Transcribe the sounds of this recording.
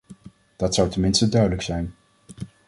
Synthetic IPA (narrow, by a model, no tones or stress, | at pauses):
d̥ɑtsʌwtənmɪnstədœɥdələksɛjn